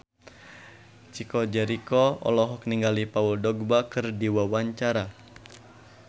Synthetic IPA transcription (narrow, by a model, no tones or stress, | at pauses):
t͡ʃikɔd͡ʒɛɾikɔɔ̰lɔɦɔk̚niŋɡalipauldɔɡ̚bakɨrdiwawaɲt͡ʃaɾa